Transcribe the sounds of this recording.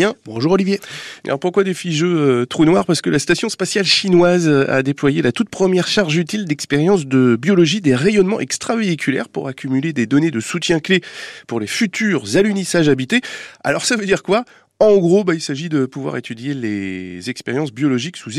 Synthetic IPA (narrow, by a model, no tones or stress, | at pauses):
ɛ̃bɔ̃ʒuʁɔlivjḛa̰puʁkwad̪efiʒøøt̪χonwaʁpaʁsə̥kəlast̪asjɔ̃spasjalʃinwaza̰d̪eplwajelat̪ut̪̚pχəmjɛʁʃaʁʒyt̪ild̪ɛkspeʁjɑ̃sd̪əbjɔlɔʒid̪eʁejɔnmɑ̰̃ʔɛkst̪χaveikʲʰylɛ̰ʁpṵʁakʲʰymyled̪ed̪ɔned̪əsut̪jɛ̃klepuʁlefyt̪ʰyːʁzalynisaʒabit̪ea̰lɔʁsavød̪iʁkwa | ɑ̃ɡʁobailsaʒid̪əpuvwa̰ʁet̪yd̪jelḛzɛkspeʁjɑ̃sbjɔlɔʒiksuz